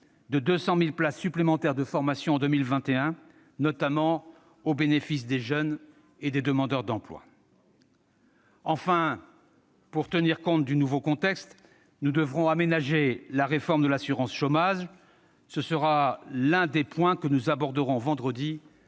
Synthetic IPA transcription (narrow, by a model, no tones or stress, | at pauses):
d̪əd̪øsɑ̃milplasːyplemɑ̃t̪ɛʁd̪əfɔʁmasjɔ̃ːd̪əmilvɛ̃t̪eɛ̃ | nɔt̪amɑ̃ | obenefisd̪eʒœn | ed̪ed̪əmɑ̃d̪œʁd̪ɑ̃plwa̰ | ɑ̃fɛ̃ | puʁt̪əniʁkɔ̃t̪̚d̪ynuvokɔ̃t̪ɛkst̪ | nud̪əvʁɔ̃amenaʒelaʁefɔʁmd̪əlasyʁɑ̃sʃomaʒ | səsəʁalɛ̃d̪epwɛ̃kənuzabɔʁd̪əʁɔ̃vɑ̃d̪ʁəd̪i